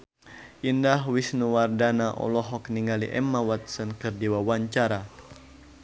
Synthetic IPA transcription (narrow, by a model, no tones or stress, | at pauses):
ʔindaɦwisnuwardanaʔɔ̰lɔɦɔk̚niŋalḭʔɛ̰mːawat̪̚sɔnkɨrdiwawaɲt͡ʃaɾa